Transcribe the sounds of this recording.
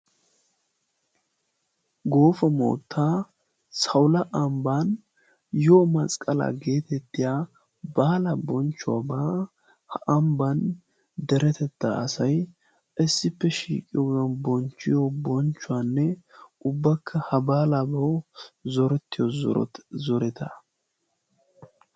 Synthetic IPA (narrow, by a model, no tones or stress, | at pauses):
ɡo̞ːfɐmo̰ːt̪ʰːa | sɐwlɐʔɐmban | joːmɐsʼkʼɐla̰ɡeːt̪ɛt̪ːɪja | baːlɐbɔnt͡ʃːʊwa̰ba | hɐʔɐmban | d̪ɛɾɛt̪ɛt̪ːaʔɐsɐj | ɪsːɪpːɛʃḭːkʼɪjɔɡɐnbɔnt͡ʃːɪjobɔnt͡ʃːʊwanːɛʊbːɐkʰːɐhɐbaːlabɐzɔɾɛt̪ːɪjozɔ̰ɾɔ̰t̪zɔɾɛt̪ʰɐ